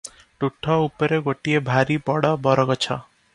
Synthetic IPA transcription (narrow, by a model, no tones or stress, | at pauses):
ʈuʈʰːɔupɔɾeɡoʈiebʱaɾibɔɽɔbɔɾɔɡɔt͡ʃʰɔ̰